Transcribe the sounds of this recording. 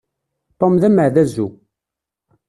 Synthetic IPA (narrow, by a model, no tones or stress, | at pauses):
t̪ˤːomðæməʕðæzːu